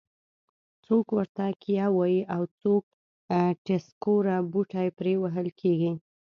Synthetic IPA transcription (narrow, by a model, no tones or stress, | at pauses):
t͡sokwəɾt̪akʰijawajiʔawt͡sok̚ | ʈeskoɾabuʈajepɾewaɦəlkʰeɡi